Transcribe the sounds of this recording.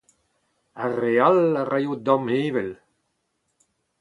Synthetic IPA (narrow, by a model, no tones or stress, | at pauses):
arealarajud̪ɔ̃meːvɛl